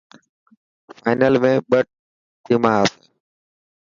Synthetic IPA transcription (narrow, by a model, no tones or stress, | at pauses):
faːɪnəlmẽːɓəʈ̚ | t̪ʰiːmaːaːseː